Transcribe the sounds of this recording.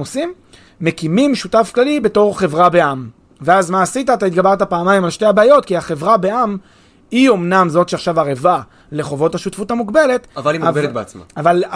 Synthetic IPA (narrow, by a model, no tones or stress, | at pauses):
osimː | e̞kimimʃutafklalibe̞to̞ʁχe̞vʁabe̞am | veazmaːsitaːt̪ait̪̚ɡabaʁt̪apaːmajimalʃteabaːjo̞tkiaχe̞vʁabe̞ʔam | io̞mnamzo̞tʃeaχʃavaʁeva | le̞χo̞vo̞thaʃutfuthamuɡbe̞le̞tavalimbeet̪beat͡sma̰aval